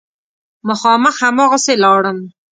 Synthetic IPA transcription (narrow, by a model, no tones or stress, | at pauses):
mʊxɑməxhamɑɣaselɑɽəm